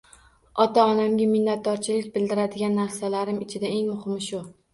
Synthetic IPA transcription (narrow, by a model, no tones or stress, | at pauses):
ɒt̪ʰaɒnamɡʲamɪnːat̪̚d̪ɒɾt͡ʃʰɪlɪk̚ʲbɪld̪ɪɾad̪ɪɡʲanːaɾsalaɾɪmɪt͡ʃʰɪd̪ae̞ŋmʊhɪmʃʊ